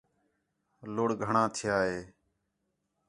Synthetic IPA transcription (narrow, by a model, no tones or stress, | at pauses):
loːɽɡʱəɳãːt̪ʰɪjaːɦeː